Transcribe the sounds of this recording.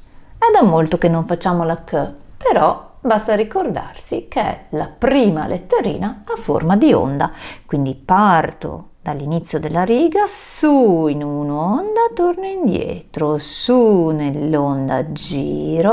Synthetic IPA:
ɛd̪amːolt̪okenːoɱfat͡ʃːaːmolakːəpeɾɔ | bast̪aɾikord̪a̰rsikeɛ̰lapɾiːma̰lʔet̪ːeɾḭːnaːfːo̰rmad̪io̰nd̪akwind̪ipart̪o̰ | d̪̥alːinit̪sːjod̪elːaɾiːɡasuinunond̪at̪ornoind̪jɛ̰t̪ɾosunelːond̪a̰d͡ʒiːɾo

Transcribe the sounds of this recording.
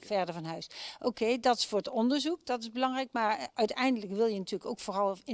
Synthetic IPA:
vɛɹdəɹvɑnɦœɥsʔowkejdɑtɪ̥sfoːɹətɔndəɹzukd̥ɑtɪzbəlɑŋrɛjkmaːɹœɥtɛjndələkʋɪlˠjənatyːləkowkfoːrɑlˠɪ

